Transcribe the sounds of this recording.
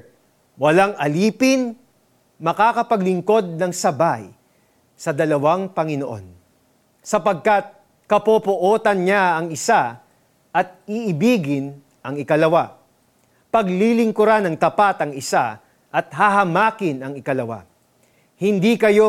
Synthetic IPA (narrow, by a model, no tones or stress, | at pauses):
wɐlaŋʔɐliːpɪn | mɐkaːkɐpɐɡlɪŋko̞d̪̚nɐŋsɐbaj | sɐd̪ɐlɐwaŋpɐŋɪnoʔo̞̰n | sɐpɐɡ̚kat̪̚ | kɐpopʊʔoːt̪ɐnɲaɐŋɪsa | ʔɐt̪̚ɪʔɪbiːɡɪn | ʔɐŋɪkɐlɐwa | pɐɡlilɪŋkʊɾanɐŋt̪ɐpat̪ɐŋɪsa | ʔɐt̪hɐɦɐmaːkɪnɐŋɪkɐlɐwa̰ | hɪnd̪ikɐjo